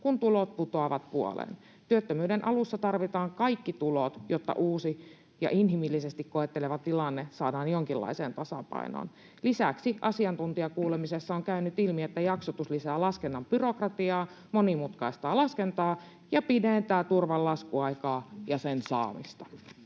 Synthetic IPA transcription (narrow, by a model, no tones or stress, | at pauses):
kunt̪ulot̪̚put̪oɑʋɑt̪̚puo̰lḛn | t̪yøt̪ːømyːdenʔɑlusːɑt̪ɑrʋit̪ɑːŋkɑikːit̪ulot̪jot̪ːɑ̰ʔuːsi | jɑ̰ʔinɦimilːisest̪ikkoet̪ːeleʋɑt̪ilɑnːesɑːdɑːnjoŋkilːɑ̰iseːnt̪ɑsɑ̰pɑ̰ino̰ːn | lisæksiʔɑsiɑnt̪unt̪iɑkuːlemisesːɑoŋkæynyt̪ilmiet̪ːæjɑksot̪uslisæːlɑskenːɑmb̥yrokrɑt̪iɑː | monimut̪kɑist̪ɑːlɑskent̪ɑː | jɑpident̪æːt̪urʋɑllɑskuɑikɑːjɑsensɑ̰ːmḭst̪ɑ